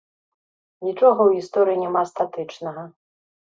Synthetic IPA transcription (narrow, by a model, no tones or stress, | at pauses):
nʲit͡ʂɔɣɐwɣʲist̪ɔɾɨjinʲɛmast̪at̪ɨt͡ʂnɐɣɐ